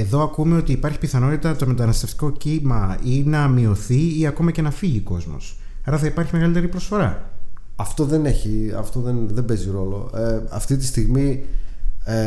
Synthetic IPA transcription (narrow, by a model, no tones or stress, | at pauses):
e̞ðo̞ɐkume̞ot̪iːpɐɾçi̥piθɐno̞t̪it̪ɐt̪ome̞t̪ɐnɐst̪eft̪i̥ko̞cimɐinɐmio̞θiiɐko̞mɐce̞nɐfiʝiko̞zmo̞̰s | ɐɾɐθɐipɐɾçime̞ɣɐlit̪eɾipɾo̞sfo̞ɾɐ | ɐft̪o̞ðe̞ne̞çiɐ̰ft̪o̞ðenðembe̞ziɾo̞lo̞̰eɐ̰ft̪it̪i̥st̪iɣmi